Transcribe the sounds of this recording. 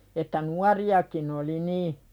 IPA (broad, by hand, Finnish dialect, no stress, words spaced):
etːæ nuɑriɑkin oli niː